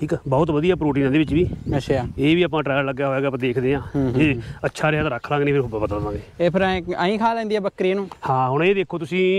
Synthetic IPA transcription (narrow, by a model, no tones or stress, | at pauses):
ʈʰiːkɛːbɔːʊt̪ʋəd̪ijaːpɾoːʈ̬iːnãːd̪eːʋɪt͡ʃʋiːəaeːʋiːaːpãːʈɾɛːjəɾləɡjaːɦoːɛːɡaːpãːd̪eːkʰd̪eːãːd͡ʒeːətːʃʰaːɾɪɦaːt̪ãːɾəkʰlãːŋɡːnĩːpɪɾʊbaːpət̪əllãːɡeːeːpʰɪɾaːĩːkʰaːlɛ̃ːnd̪iːɛːbəkːɾeːnũːhãːɦʊɽ̃eːd̪eːkʰːoːt̪ʊsĩː